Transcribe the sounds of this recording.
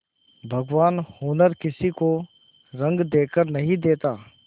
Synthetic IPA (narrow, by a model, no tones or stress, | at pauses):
bʱɐɡʋaːnhoːnəɾkɪsiko | ɾɐ̃ŋɡd̪eːkəɾnɐɦĩd̪eːt̪aː